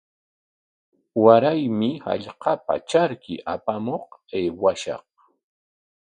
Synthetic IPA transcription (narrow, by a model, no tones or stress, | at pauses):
waɾajmɪha̰ʎqɑpa̰t͡ʃaɾkɪ̰ʔapamoχeːwaʃɑ̰χ